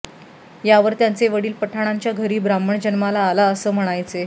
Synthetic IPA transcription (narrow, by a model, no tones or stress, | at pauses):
jaʋəɾt̪jant͡seʋəɽiːlpəʈʰaɽ̃aɲt͡ɕjaɡʱəɾiːbɾaməɳd͡ʑənmalaːlaəsəːm̤əɽ̃ajt͡se